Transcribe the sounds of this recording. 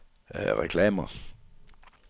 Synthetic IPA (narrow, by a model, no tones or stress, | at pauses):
ʁɛkʰlɛːmɐ